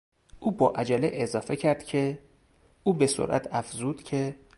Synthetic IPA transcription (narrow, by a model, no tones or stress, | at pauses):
ʔuːbɒːʔæd͡ʒæleʔezɒːfe̞cʰæɾd̪̥cʰe̞ | uːbe̞so̰ɾʔæ̰t̪ʰæfzuːd̪̥cʰe̞